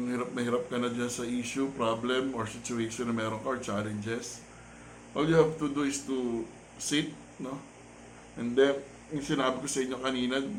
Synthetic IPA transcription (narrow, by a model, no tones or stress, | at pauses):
ŋhɪɾap̚nɐhɪɾɐp̚kɐnɐd͡ʒansɐʔiːʃʊpɾablɛmoɹsɪt͡ʃʊeʃonːɐmɛːɾoŋkɐot͡ʃaːlɛnd͡ʒɛs | ʔoljʊhɛvt̪ud̪uɪst̪u | sit̪̚ | no̞ | ʔɛnd̪ɛ | ʊŋsɪnaːbɪkosɐʔɪɲːokɐniːnɐ